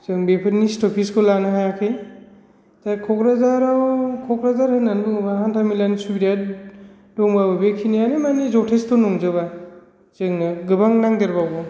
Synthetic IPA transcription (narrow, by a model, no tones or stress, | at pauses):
z̥ɯŋbepʰɯɾnistɔpʰiskʰolanɯɦajakʰɯj | takʰɔkɾazaɾawkʰɔkɾazaɾhɯnːanluŋbaɦantʰamilansubiɾa | dɔŋbabɯbekʰinijanemanizɔtʰestɔnɔŋzɯβa | zɯŋɡɯbaŋnaŋdɯɾbawbɔ